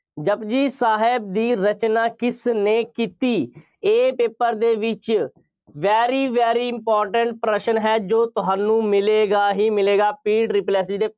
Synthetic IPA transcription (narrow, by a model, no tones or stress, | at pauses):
d͡ʒəbd͡ʒiːsaːɦɪb̚d̪iːɾət͡ʃnaːkɪsneːkiːt̪iː | eːpeːpəɾd̪eːʋɪt͡ʃ | ʋɛːɾiːʋɛːɾiːɪmpɔːɾʈəɳʈ̚pɾəʃənɦɛːd͡ʒoːt̪ʊɦaːnũːmɪleːɡaːɦiːmɪleːɡaːpiːɖɾɪplɛːs̬ɪd͡ʒd̪eː